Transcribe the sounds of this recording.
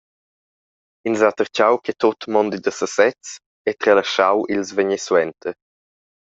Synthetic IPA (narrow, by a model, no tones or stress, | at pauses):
inzat̪əɾt͡ʃawkʰɛt̪ot̪mɔnd̪id̪əsəsɛt͡s | ɛt̪ɾɛlaʃawʔilzvəɲɛswɛnt̪ʰə